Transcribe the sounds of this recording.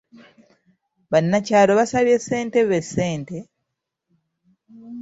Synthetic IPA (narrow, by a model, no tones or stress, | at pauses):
βanːacaːlo̞βasaβje̞sːe̞ːnte̞βesːe̞ːnte̞